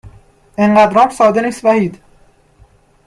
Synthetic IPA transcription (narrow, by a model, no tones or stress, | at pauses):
ʔeɴɢæd̪ɾɒːɾsɒːd̪eniːst̪væhiːd̪